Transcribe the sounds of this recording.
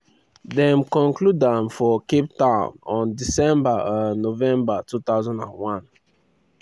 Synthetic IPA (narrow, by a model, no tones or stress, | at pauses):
dɛ̃mkɔ̃nkludãnfɔkip̚tãʊ̃nɔ̃ndisɛ̃mbaãnːovɛ̃mbatuθaʊzãndã̰nwãn